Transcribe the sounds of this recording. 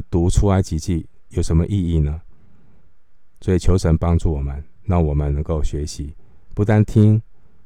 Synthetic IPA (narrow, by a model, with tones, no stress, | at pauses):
t̪u˧˥ʈ͡ʂʰu˥la˧˦ɪt͡ɕi˨˥t͡ɕi˥˩ | jo˨˩ʊʂə˧˦nmə˧ʔi˥˧i˥˩nə˩ | swɔ˧˥i˨˩t͡ɕʰjo˧˥ʊʂə˧˥npɑ˥ŋʈ͡ʂu˥˩wɔ˨˩mə˦n | na˥˩ŋwɔ˨˩mə˦nnɤ˧˦ŋko˥˩ʊɕɥɛ˧˥ɕi˨˦ | pu˧˥t̪a˥˧nt̪ʰi˥ŋ